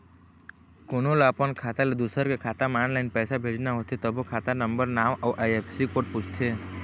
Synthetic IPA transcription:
kʊnolaːpənkʰaːt̪aled̪uːsəɾkekʰaːt̪amaːnlaɪnpɛːsabʱeːd͡ʒnaɦot̪ʰet̪əbʱokʰaːt̪anə̃mbəɾnaːʋʔaːʔajepʰsikoːʈput͡ʃʰt̪ʰeː

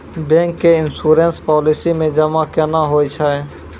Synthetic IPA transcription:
bẽːŋkːeɪnsuːɾẽnspɔːlɪsimẽd͡ʒəmãkənaɦoːit͡ʃʰa

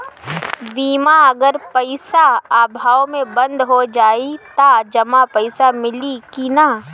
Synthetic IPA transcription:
biːmaɐɡəɾpɐɪsaaːbʱaːwmẽbɐ̃nd̪ʱɦod͡ʒaːit̪ad͡ʒɐmapɐɪsamɪlikina

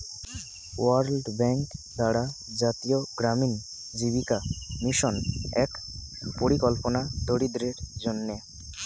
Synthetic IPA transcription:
waɾlɖbɛŋkd̪aɽa | d͡ʑat̪ijoɡɾamin | d͡ʑiβikamiʃɔnɛk | poɾikɔlponad̪ʱoɽid̪ɾeɾd͡ʑonːe

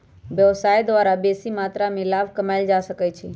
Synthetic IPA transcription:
ʋjəʋsaːjd̪ʋaːɾabeːsimaːt̪ɾamẽlaːʋkəmaɪld͡ʒasəkət͡ʃʰe

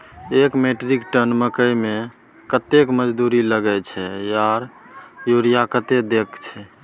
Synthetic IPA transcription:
ekmeʈɾikʈənməkəjme | kət̪ekməd͡ʒd̪uɾiləɡɛt͡ʃʰɛjaɾ | juɾijakət̪ed̪ekt͡ʃʰɛ

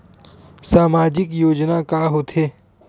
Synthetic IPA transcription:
saːmaːd͡ʒɪkjoːd͡ʒnakaːɦoːt̪ʰeː

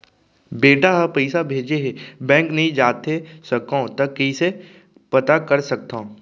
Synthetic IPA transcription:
beːʈaɦɐpɛɪsabʱeːd͡ʒeɦebɛ̃ːŋknɐɦĩd͡ʒaːt̪esɐkõt̪ɐkːiise | pɐt̪akɐɾsɐk̚t̪ã

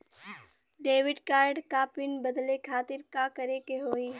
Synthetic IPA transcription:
ɖeːʋɪɖkaːɾɖkaːpɪnbɐd̪lekʰaːt̪ɪɾkakɐɾekeɦoːi

